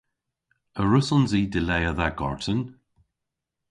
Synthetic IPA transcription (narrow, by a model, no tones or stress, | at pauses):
əɹʊsɔnziːdɪlɛjəðaɡɔ̰ɹtən